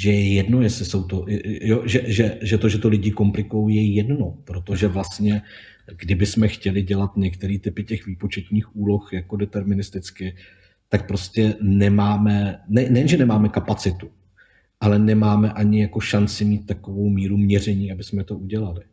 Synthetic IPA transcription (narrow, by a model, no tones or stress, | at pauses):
ʒɛjɛjɛdno̞jɛslɪso̞wt̪o̞jɛjoʒɛʒɛʒɛt̪o̞ʒɛt̪o̞lɪɟɪko̞mplɪkujowjɛjɛdno̞pɾo̞t̪o̞ʒɛvlast̪ɲɛ | ɡdɪbɪsmɛxcɛlɪɟɛlat̪ɲɛkt̪ɛɾiːt̪ɪpɪcɛxviːpo̞t͡ʃɛt̪ɲiːxuːlo̞xjako̞dɛt̪ɛɾmɪnɪst̪ɪt͡skɪ | t̪ak̚pɾo̞scɛnɛmaːmɛnɛnɛjɛnʒɛnɛmaːmɛkapat͡sɪt̪u | ʔalɛnɛmaːmɛʔaɲɪjako̞ʃant͡sɪmiːt̪̚ːako̞vo̞wmiːɾumɲɛr̝ɛɲiːabɪsmɛt̪o̞ʔuɟɛlalɪ